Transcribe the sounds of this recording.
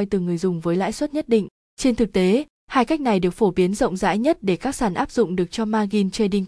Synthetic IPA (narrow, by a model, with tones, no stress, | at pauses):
jt̪ɨ˨˩ŋɨ˨˩əjzʊ˨˩ŋ͡mvəː˨˦jla̰ː˧˥˨jswə˦˥t̚ɲə˦˥t̚ɗḭ˧˨ŋ̟ | t͡ɕe˧nt̪ʰɨ˨˩k̚t̪e˨˦ | haː˧jka˦˥jk̟̚na˨˩jɗɨ˨˩əkfo˧˩ɓi˨˦ənzə̰˧˨wŋ͡mza̰ː˧˥jɲə˦˥t̚ɗe˧˩kaː˦˥k̚saː˧˩nʔaː˦˥p̚zʊ̰˧˨ŋ͡mɗɨ˨˩ək̚t͡ɕɔ˧maː˧ɣi˧nt͡ɕe˧ɗi˧ŋ